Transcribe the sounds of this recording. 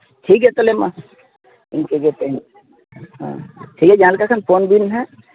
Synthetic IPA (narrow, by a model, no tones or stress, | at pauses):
ʈʰiːk̬ɦɛt̪olema̰ | ɪnkeɡep̪en | ɦã̰ʈʰiːkɛd͡ʒãːlkakʰanpʰoːnbʱinɦɛ